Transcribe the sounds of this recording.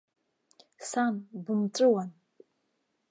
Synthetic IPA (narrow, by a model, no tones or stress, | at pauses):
sanbumt͡sʷʼɨwan